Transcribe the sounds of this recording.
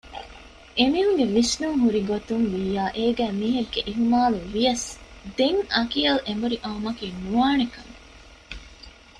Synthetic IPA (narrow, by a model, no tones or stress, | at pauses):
ʔemiɦuŋɡeʋisnuŋɦuɾiɡot̪unʋijaːʔeːɡæːmiːɦɐɡːeʔiɦumaːluʋijɐsd̪eŋɐkiɐlʔembuɾiʔɐumɐkiːnuaːnekɐŋ